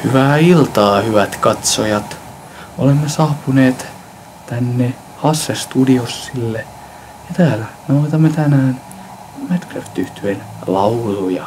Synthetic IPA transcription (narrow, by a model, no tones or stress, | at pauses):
hyʋæːilt̪ɑːhyʋæt̪kɑt̪sojɑt̪ | olemːesɑːpuneːt̪ | t̪ænːe | hɑsːest̪udiosːilːe | jɑt̪æːlænɑt̪ɑmːet̪ænæːn | mæt̪klørt̪yht̪yenlɑulujɑ̰